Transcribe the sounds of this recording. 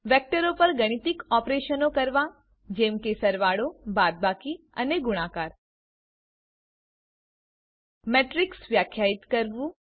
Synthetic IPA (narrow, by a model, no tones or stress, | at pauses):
ʋɛk̚ʈəɾopəɾɡəɽ̃it̪ikɔpɾeʃənokəɾʋa | d͡ʒemkesəɾʋaɽobad̪̚baki | ə̰neɡʊɽ̃akaɾ | mɛʈɾiksʋjakʰjait̪kəɾʋũ